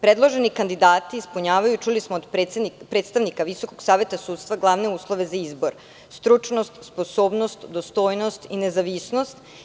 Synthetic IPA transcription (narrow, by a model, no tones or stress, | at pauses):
pɾed̪lˠo̞ʒenikand̪id̪aːt̪iːspuɲaːʋajut͡ʃulismoːd̪pɾet̪st̪aʋnikaʋiso̞ko̞ɡsaːʋe̞t̪asuːt̪st̪ʋaɡlˠaʋne̞uːslˠo̞ʋe̞zaizbo̞ɾ | st̪ɾut͡ʃno̞st̪spo̞soːbno̞st̪d̪ost̪o̞ːjno̞st̪inezaʋisno̞st̪